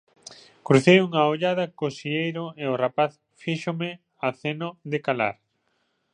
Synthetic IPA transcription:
kɾuθejuŋaoʎaðɐkosiʎejɾoeorapaθ | fiʃomɪ | aθenoðekala̰ɾ

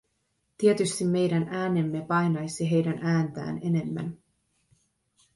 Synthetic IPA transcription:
t̪ie̞t̪yst̪imːe̞jdænæːne̞mːe̞pɑjnɑjsiɦe̞jdænʔæːnt̪æ̰ːne̞ne̞mːæ̰n

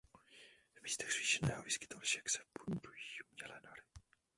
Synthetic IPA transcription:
vmiːst̪ɛxr̥iːʃɛnɛːɦoviskɪ̥t̪olʃɛksɛ̥bund̪ujiumɲɛlɛnaɾɪ

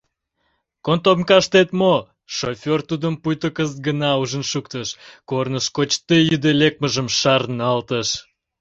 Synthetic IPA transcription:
kont̪opnkɑʃt̪et̪mo | ʃofʲort̪ud̪əmpujt̪əkəst̪̚ɡənɑuʒənʃukt̪əʃkornəʃkot͡ɕt̪ejyd̪elek̚məʒəmʃɑrnɑlt̪əʃ

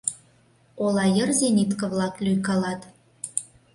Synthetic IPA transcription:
olɑjə̆rzenʲit̪kɤ̆βlɑklʲyjkɑlɑt̪

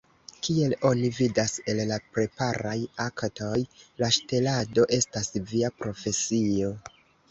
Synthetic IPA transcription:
kie̞lo̞nividase̞llapɾe̞paɾajakto̞jlaʃte̞lado̞ʔe̞stasviapɾo̞fe̞sio̞

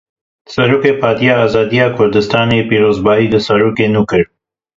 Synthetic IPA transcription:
sɐɾuːkeːpʰɑːd̪ijaːzɑːd̪ijɑːkʰʊɾd̪ɨst̪ɑːnepiːɾoːzbɑːiːd̪əsɐɾuːkenuːkɨɾ

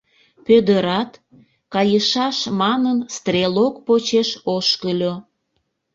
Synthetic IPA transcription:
pød̪əɾɑt̪ | kɑjəʃɑʃmɑnənst̪relokpot͡ɕeʃoʃkəlʲo

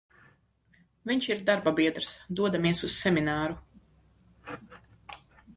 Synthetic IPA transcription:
viɲʃiɾd̪aɾbabiɛd̪ɾsd̪uɔd̪amiɛsusːɛminaːɾu

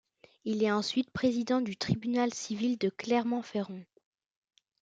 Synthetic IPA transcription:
ilɛɑ̃sɥit̪̚pχezid̪ɑ̃d̪yt̪χibynalsivild̪əklɛʁmɑ̃feʁɔ̃

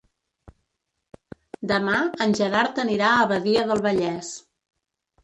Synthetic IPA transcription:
d̪əmaənʲʒəɾaɾt̪əniɾaəβəðiəðəlˠβəʎɛs

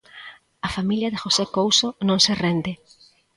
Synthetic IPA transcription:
ɐfamiljɐðɪxosekowsonõŋserend̪ɪ

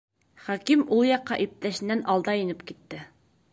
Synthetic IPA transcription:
χɒkimulˠjɑqːɑʔip̚t̪æʃɘ̆nːænʔɑlˠd̪ɑjĭnɘpkit̪ːɘ

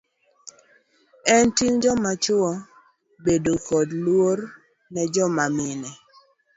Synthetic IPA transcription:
ɛntiŋd͡ʒɔmat͡ʃʊɔ | bedokɔdlwor | nɛd͡ʒɔmamɪnɛ

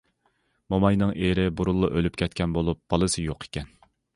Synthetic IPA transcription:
momɑjnɨŋʔeɾɪbuɾulˠːɑʔølypʲkʲʰɛt̪kʲʰɛnbolˠup̚b̥ɑlˠɨsɨjoqʰe̥kʲɛn

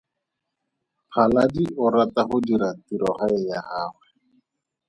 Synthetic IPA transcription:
pʰaladiʔʊɾataχʊdiɾatiɾɔχaɛjahaːwɛ

